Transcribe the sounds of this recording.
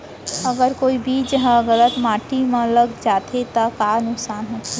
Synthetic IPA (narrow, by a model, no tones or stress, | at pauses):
əɡəɾkoːibʱid͡ʒəɦə̃ɣələt̪mãʈimẽləɡd͡ʒat̪ʰet̪əkanʊksaːnɦot̪ʰe